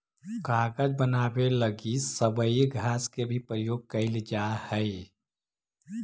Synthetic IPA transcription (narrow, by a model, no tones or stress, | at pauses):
kaːɡəd͡ʒbənaːbeləɡisəbəiɡʱɾaːskebʱipɾəjoːɡ̚kəɪld͡ʒahəɪ